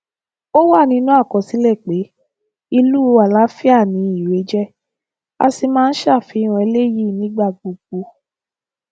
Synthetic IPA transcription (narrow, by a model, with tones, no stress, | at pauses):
o˦wa˦˨nĩ˧˦nũ˦a˦˨kɔ˨si˨˦lɛ˦˨k͡pe˨˦ | i˧lu˦˧a˨la˦fi˦a˦˨nĩ˧˦i˨we˨˦d͡ʒɛ˦ | a̰˧si˧mãː˦˧n̩˦ʃa˦˨fi˨˧˦ɾ̃ɔ̃˧e˧le˦ji˦˨nĩ˦ɡ͡ba˦˨ɡ͡bu˨ɡu˧